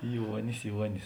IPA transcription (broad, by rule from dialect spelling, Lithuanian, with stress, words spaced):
ˈjuɔnʲɪs ˈjuɔnʲɪs